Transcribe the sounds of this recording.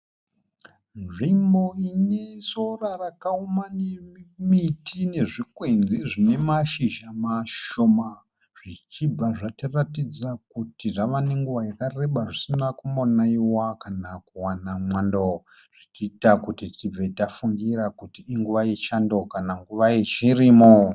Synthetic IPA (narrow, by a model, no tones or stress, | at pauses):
nʐimbo̞ine̞sorarakaumanemitʰine̞ʐikwenziʐine̞maʃiʒamaʃo̞ma | ʐ̥it͡ʃib͡vaʐatiratid͡zakutiʐaʋane̞ŋɡuʋajakare̞ɓaʐisinakumonaiwakanakuwanamwando | ʐ̥itiːtakutitib͡vetafuŋɡiɾakutiːŋɡuʋajet͡ʃando̞kanaŋɡuʋajet͡ʃirimo